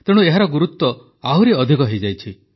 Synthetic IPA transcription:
t̪ẽueɦaɾɔɡuɾut̪wɔ | aɦuɾeɔd̪ʱikɔɦejd͡ʒajt͡ʃʰi

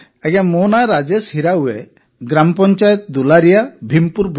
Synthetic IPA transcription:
ɛɡamɔnajɾad͡ʒeshiɾauwe | ɡɾampɔɲt͡ʃajɔt̪̚d̪ulaɾijabʱimpuɾbʱ

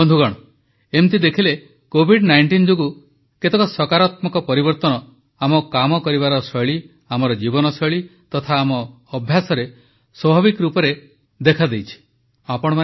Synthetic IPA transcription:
ɔnd̪ʱuɡɔɽ̃ɔ | emt̪id̪ekʰile | kobʱiɖnajɳʈind͡ʒoɡu | ket̪ekɔsɔkaɾɔt̪mɔkɔpɔɾibɔɾt̪ɔnɔ | amɔkamɔkɔɾiβaɾɔsɔjɭi | amɔɾɔd͡ʒibɔnɔsɔjɭit̪ɔt̪ʰaːmɔː | bʱjasɔɾe | swɔbʱaβikɔɾupɔɾe | d̪ekʰad̪ejt͡ʃʰi̥ | apɔɽ̃ɔman

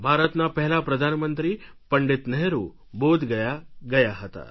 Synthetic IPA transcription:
bʱaɾət̪napəɦɛlapɾəd̪ʱanmənt̪ɾiːpəɳɖit̪nəɦeɾu | bod̪ɡəjaɡəjaɦət̪a̰

